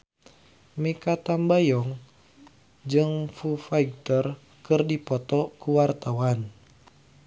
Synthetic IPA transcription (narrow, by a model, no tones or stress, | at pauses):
mekat̪ambajɔŋ | d͡ʒɨŋfufaiɡ̚t̪ər | kɨrdipɔt̪ɔkuwart̪awan